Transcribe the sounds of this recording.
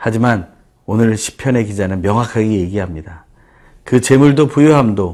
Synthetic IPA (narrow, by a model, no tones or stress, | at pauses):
had͡ʑiman | onɯɭɕʰi̥pʰjʌne̞kid͡ʑanɯnmjʌŋɦwakʰaɡije̞ɡiɦamɲida | kɯt͡ɕe̞muɭdopujuɦamdo